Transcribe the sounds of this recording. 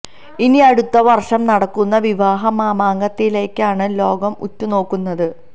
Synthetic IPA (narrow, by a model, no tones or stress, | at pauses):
iniɐɽut̪ːɐʋɐrʂɐmnɐɽɐkːunːɐʋiʋaːɦɐmaːmaːŋɡɐt̪ːile̞ːkːaːɳɨlo̞ːɡɐmutːuno̞ːkːunːɐðɨ